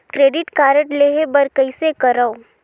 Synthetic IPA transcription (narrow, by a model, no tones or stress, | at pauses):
kɾeːɖɪʈkaːɾəʈleːɦebɐɾkəisekɐɾao